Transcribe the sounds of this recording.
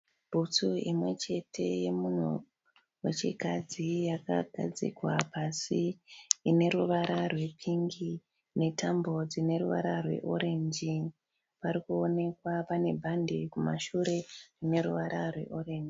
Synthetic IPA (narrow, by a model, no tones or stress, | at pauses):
bʱut͡suimwe̞t͡ʃe̞tʰe̞je̞mun̤ṵ | wet͡ʃikad͡zijaka̰ɡʱa̰d͡zḭkwapasiine̞ɾuʋaɾarwe̞pʰiŋɡi | ne̞tambo̞d͡zine̞ɾuʋaɾarwe̞̰ʔo̞ɾe̞ɲd͡ʒi | paɾikuo̞ne̞kwapane̞bʱandekumaʃuɾe̞rine̞ɾuʋaɾʔarwe̞̰ʔo̞ɾeːnd͡ʒi